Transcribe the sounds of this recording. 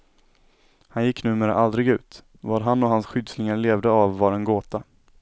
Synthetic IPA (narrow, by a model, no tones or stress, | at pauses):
hanjɪkːnʉ̟ːmeːɾə̰ʔald̪ɾɪɡʉ̟ːt̪ | vɑːɾɦanːɔɦansɧʏd̪snɪŋaɾɭeːvd̪əavːaɾɛnɡoːt̪a